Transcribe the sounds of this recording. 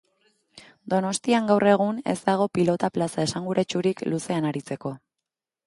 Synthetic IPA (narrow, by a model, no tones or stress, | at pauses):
d̪o̞no̞st̪iaŋɡawrʔe̞ɣ̞une̞̰zd̪aɣ̞o̞pilo̞t̪aplasae̞saŋɡuɾat͡ʃuɾikluse̞anaɾit͡se̞ko̞